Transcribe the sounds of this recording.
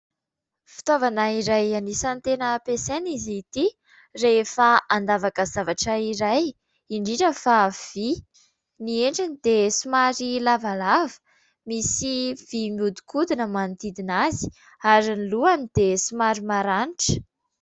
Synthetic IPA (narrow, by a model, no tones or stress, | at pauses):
fi̥t̪ovanaiɾajanisant̪enəpesenizit̪i | refaʔand̪avakəzavaʈ͡ʂəiɾaj | iɳɖ͡ʐiɖ͡ʐəfav̥i | nieɳɖ͡ʐanid̪esumaɾilavalavə̥ | misiv̥imud̪u̥kʰud̪inəmant̪id̪inazi̥ | aɾiniluanid̪esumaɾimaɾaniʈ͡ʂə̥